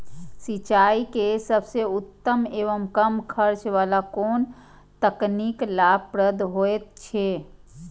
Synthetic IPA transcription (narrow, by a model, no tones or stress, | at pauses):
sit͡ʃaikesəbʱseut̪ːəmeʋəmkəmkʰəɾt͡ʃʋalakon | t̪əkniklabpɾəd̪ɦoet̪̚t͡ʃʰe